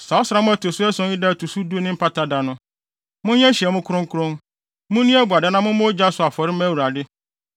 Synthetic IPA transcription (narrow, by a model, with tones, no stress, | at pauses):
sa˨ɔ˦sɾa˦mʊ̃˦æ˦˨tʰo˨sʊ˦ɛ˦sɔ̃˦i˦da˦˨tu˨su˦du˦nɪ̃˦m̩˦pʰa˦tʰa˦da˨nʊ̃˦ | mʊ̃˦ɲɛ̃˦ɕi˨ɛ˨mʊ̃˦kʰʊ˦ɾʊ̃˦ŋ˦kʰʊ˦ɾʊ̃˦n | mʊ̃˦nĩ˦ɛ˦ba˨da˦nã˦mʊ̃˦mʊ̃˦d͡ʑa˦sʊ˨˦a˨fɔ˨ɾɪ˦m˦æ˦˨wu˨ɾa˨dɪ˦